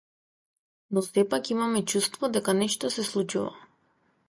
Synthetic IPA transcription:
nɔsɛpakimamɛt͡ʃust̪vɔd̪ɛkanɛʃt̪ɔsɛslˠut͡ʃuva̰

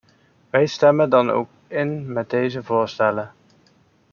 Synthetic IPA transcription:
ʋɛjstɛməndɑno̰wk | ɪnmɛd̚dejzəvʊːɹstɛlə

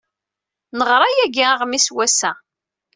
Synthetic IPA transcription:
nəʁɾˤɑjæɡaʁmiswæsæ

